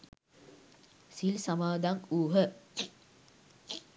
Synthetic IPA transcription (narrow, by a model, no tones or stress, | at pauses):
silsamaːd̪aŋuːɦə